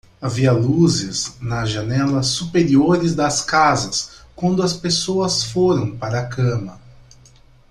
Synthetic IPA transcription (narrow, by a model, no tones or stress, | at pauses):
aviɐluzɪznɐzʒɐnɛlɐsːupeɾioɾɪzd̪ɐskazɐskwɐ̃nd̪ʊɐspesoɐsfoɾɐ̃w̃paɾɐːkɐ̃mɐ